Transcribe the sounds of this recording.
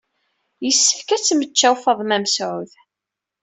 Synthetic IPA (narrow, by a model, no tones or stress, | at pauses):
jəsːə̥fkæt͡sːmət͡ʃːæwfəðˤmæmsʕʊð